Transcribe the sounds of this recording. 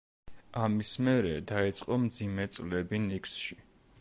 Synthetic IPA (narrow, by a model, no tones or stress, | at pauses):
amismɛɾɛd̪ait̪sʼqʼɔmd̪zimɛt̪sʼlɛbiniksʃi